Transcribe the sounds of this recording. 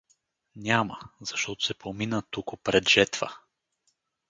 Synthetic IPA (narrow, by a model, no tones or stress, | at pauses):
nʲaməz̥ɐʃt̪ɔt̪ʊ̥sɛpominət̪ukʊpɾɛd̪ʒɛt̪və